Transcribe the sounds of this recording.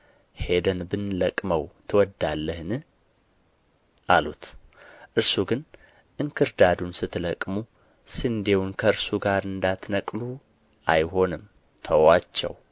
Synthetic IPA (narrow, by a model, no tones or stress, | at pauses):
hed̪ənbɨnləkʼməwt̪ʰɨwɔd̪ːalːəhnɨ | ʔalut̪ʔɨɾsuɡɨn | ʔɨŋkʰɨɾd̪ad̪unsɨt̪ʰːɨləkʼmu | sɨnd̪e̞wunkʰəɨɾsuɡaɾɨnd̪at̪nəkʼlu | ʔajɦo̞nɨm | t̪ʰəwat͡ʃːɛ̰w